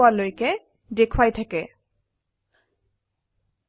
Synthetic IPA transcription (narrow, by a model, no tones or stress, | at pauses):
alojkɛ | dekʰwajtʰakɛ